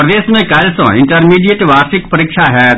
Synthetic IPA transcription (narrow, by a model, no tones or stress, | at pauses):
pɾɐd̪eːʃmẽkaːlsə̰̃ɪ̃ɳʈəɾmiːɖijeʈʋaːɾsɪkpɐɾiːkʃʰaɦɛː